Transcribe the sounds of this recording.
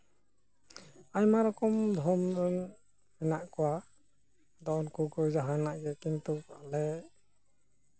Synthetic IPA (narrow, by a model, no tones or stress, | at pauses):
ajmaɾɔkɔmd̪ʱɔmdɔn | mɛnaʔkɔwa | d̪ɔʔɔnkukɔjd͡ʒaɦanaʔɡɛkint̪upaʔlɛ